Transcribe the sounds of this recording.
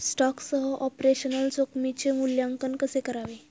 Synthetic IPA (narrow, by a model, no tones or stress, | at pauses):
sʈɔksəɦəʔɔpɾeɕənəlt͡sokmit͡ɕemuljãŋkənkəsekəɾaʋe